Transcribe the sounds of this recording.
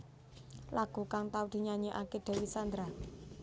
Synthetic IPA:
laɡ̥ṳkaŋt̪awd̪̥i̤ɲaɲeʔaked̪̥a̤wisand̪ɾa

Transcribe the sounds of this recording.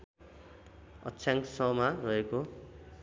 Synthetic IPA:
ʌ̰tːt͡sʰjãŋksʌmarʌeko

